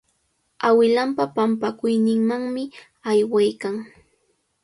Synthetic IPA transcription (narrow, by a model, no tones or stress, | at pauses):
awɪlampapampakʊjnɪŋmaŋmɪ | ajwajkaŋ